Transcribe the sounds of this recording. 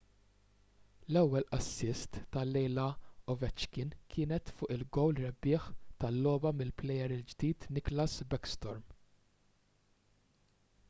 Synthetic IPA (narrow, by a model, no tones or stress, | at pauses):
lɛwːɛlʔɐsːɪst̪ːɐlɛjlɐɔvɛt͡ʃkɪnkʰɪːnɛt̪fʊːʔɪlɡɔwlɾɛbːɪːħt̪ɐlːɔːbɐmɪlplɛjɛɾɪld͡ʒd̪iːt̪nɪklɐsbɛkst̪ɔɾm